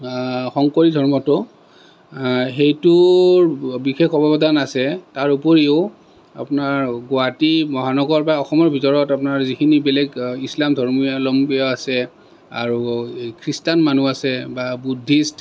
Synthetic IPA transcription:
xɔŋkoɹidʱɔɹmɔtʊ | xejtʊ | bixekʰɔbɔbɔdanasɛtaɹupoɹiʊ | a̰pnaɹɡoatimɔɦanɔɡɔɹpaɔxɔmɔɹbʱitɔɹɔtap̬naɹzikʰinibɛlɛɡislamdʱɔɹmialɔmbiɔasɛ | a̰ɹukʰɹistanmanuasɛbabudʱːist

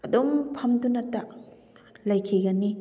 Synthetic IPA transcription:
ɐdompʰɐmdunɐtːɐ | lɐjkʰiɡɐni

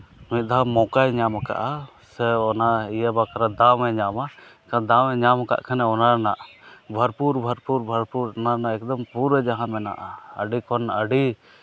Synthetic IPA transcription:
mĩt̪̚d̪aɦamɔkajɲamaka̰ʔa | sɛɔnaijabakaɾad̪awɛɲamakad̪awɛɲamka̰ʔkʰanɛɔnaɾnaʔabʱəɾpuɾbʱəɾpuɾbʱəɾpuɾɔnaɾnaɛkd̪ɔmpuɾɛd͡ʒaɦãmɛna̰ʔaə̰ɖikɔnəɖi

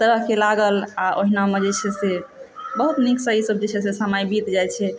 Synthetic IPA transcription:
t̪əɾəɦkelaɡəlaʔoɦinamed͡ʒet͡ʃʰɛsebəɦut̪niksəɦisəbd͡ʒet͡ʃʰɛsesəmajbit̪d͡ʒajt͡ʃʰɛ

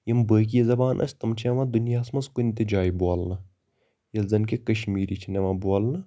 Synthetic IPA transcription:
jɐmbəːk̬ijɐzɐbaːnʔɐ̰t͡ʃʰʲt̪ɐmt͡ʃʰɐʋãd̪unjaːsmɐskonʲt̪ed͡ʒaːibuaːlnɐ | jɐlzɐnkekɐʃmiːɾit͡ʃʰineʋãːbuaːlnɐ

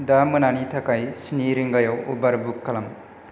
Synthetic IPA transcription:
damɯnanitʰakajsiniɾiŋɡajawṵbaɾbukːɐlɐm

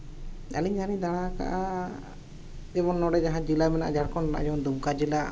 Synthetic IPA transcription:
a̰liɲanid̪aɽ̃aka̰ʔa | ɛbɔnːɔɽɛd͡ʒaɦãd͡ʒilamɛnaʔa̰d͡ʒaɽkɔnna̰ʔd͡ʒɛbɔnd̪umkad͡ʒila

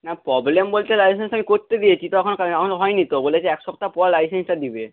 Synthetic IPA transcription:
napɾɔblembolt̪elajsensamikoɾt̪ed̪iet͡ɕʰit̪oɛkʰonokaakʰonoɦɔenit̪obolet͡ɕʰeɛkʃɔb̚t̪apɔɾlajsensʈad̪ibe

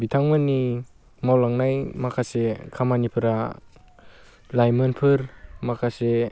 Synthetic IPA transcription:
bitʰaŋmani | mawlaŋnajmakʰasekʰamanipʰɯɾa | lajmɯnpʰɯɾmakʰase

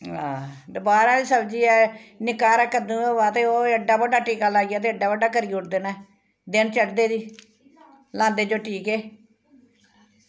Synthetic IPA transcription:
ɦã̰ːd̪əbaːɾãːd̪iːsəbd͡ʒiːɛːnɪkaːɾɛːkəd̪ũːɛːʋaːt̪eːoːəɖaːbəɖaːʈiːkaːlaːijaːt̪eːəɖaːbəɖaːkəɾiːʊʈd̪eːnɛː | d̪ɪnt͡ʃəkd̪eːd̪iː | lãːnd̪eːd͡ʒoːʈʰiːkeː

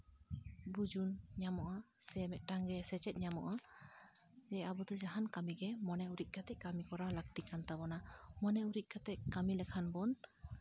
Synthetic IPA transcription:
bud͡ʒunɲamɔʔasɛmɛʔʈaŋɡɛsɛt͡ʃɛt̪̚ɲamɔ̰ʔa | d͡ʒɛabɔd̪ɔd͡ʒaɦankamiɡɛmɔnɛuɾiʔ̪̚ˀkʰat̪ɛʔkamikɔɾalaɡt̪ikant̪abɔnamɔnɛuɾiʔ̪̚ˀkʰat̪ɛkːamilɛkʰanbɔn

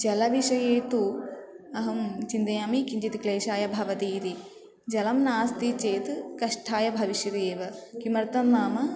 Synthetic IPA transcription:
d͡ʒɐlɐʋiʃɐjeːt̪u | ɐɦɐmt͡ʃind̪ɐjaːmikiɲd͡ʒit̪ikleːʃaːjɐbʱɐʋɐt̪iːɾi | d͡ʒɐlɐmnaːst̪it͡ʃeːt̪kɐʂʈʰaːjɐbʱɐʋiʃjɐɾeːʋɐkimɐɾt̪ɐmːaːmɐ

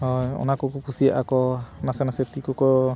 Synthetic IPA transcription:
hɔjɔ̰nakɔkukʰusija̰ʔakɔnasɛnasɛt̪ikɔkɔ

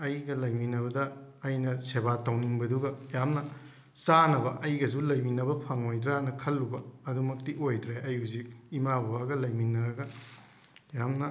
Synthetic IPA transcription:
ɐjɡɐlɐjminɐβɐdɐːjnɐsebatɐwniŋbɐduɡɐjamnɐ | sanɐbɐʔɐjɡɐzulɐjminɐbɐpʰɐŋojdɾanɐkʰɐlːubɐːdumɐk̚tiojdɾeɐjuzik̚imabuaɡɐlɐjminɐɾɐɡɐ | jamnɐ

